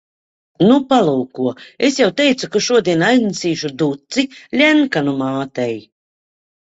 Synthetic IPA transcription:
nupalˠuːkuɔesjawt̪ɛjt̪sukaʃuɔd̪iɛnajnisiːʃud̪ut̪silʲɛnkanumaːt̪ɛj

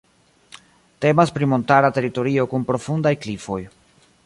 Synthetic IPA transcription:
te̞maspɾimo̞ntaɾate̞ɾito̞ɾio̞kunpɾo̞fundajklifo̞j

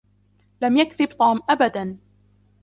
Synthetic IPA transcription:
lamjakðɪbt̪ˤɑːmʔabad̪an

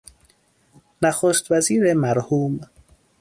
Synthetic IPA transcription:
næxoːst̪væziːɾemæɾhuːm

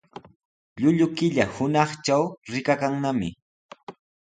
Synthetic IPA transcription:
ʎʊʎʊkɪʎahʊnɑχt͡ʃawɾɪkakaŋnamɪ̰

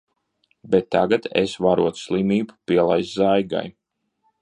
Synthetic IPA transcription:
bet̪ːaɡat̪ḛsvaɾuɔt̪slˠimiːbu̥piɛlˠajszajɡa̰j

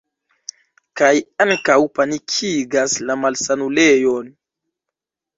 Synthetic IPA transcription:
kajaŋkawpanikʰiɡaslamalsanulejon

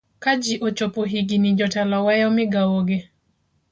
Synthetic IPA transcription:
kad͡ʒiʔot͡ʃopoɦiɡinid͡ʒɔtalawɛjɔmɪɡawoɡe

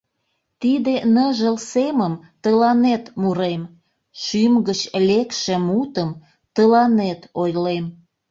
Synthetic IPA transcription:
t̪id̪enəʒəlseməmt̪əlɑnet̪muɾem | ʃymɡət͡ɕlekʃĕmut̪əm | t̪əlɑnet̪ojlem

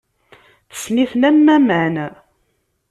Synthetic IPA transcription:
θə̥sniθnæmːæməʕnæ

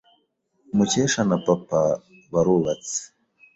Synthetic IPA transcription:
mut͡ʃɛʃanapapa | βaɾuβat͡si̥

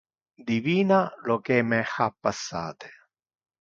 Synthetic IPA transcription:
d̪iviːnalokɛmɛxapːasːa̰ːt̪e̥

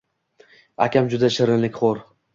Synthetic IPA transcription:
a̰kʲamd͡ʒʊd̪aʃɪɾɪnlɪkʲχoɾ

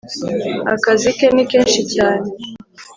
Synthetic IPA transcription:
a̰kazikenikeːnʃicaːne

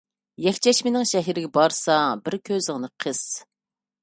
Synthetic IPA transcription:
jɛkʲt͡ʃʰɛʃmɪnɪŋʃɛɦiɾɪɡʲɛbɑɾsɑbɪɾkʲʰøzɪŋnɨqʰəz̥

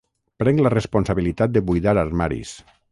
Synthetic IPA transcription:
pɾɛŋlərespunsaβilit̪at̪̚d̪eβujðaɾarmaɾḭs

